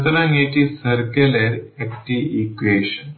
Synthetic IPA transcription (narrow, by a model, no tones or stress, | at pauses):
t̪lãŋeʈ̪isəɾkeleɾekʈiikʋeɕən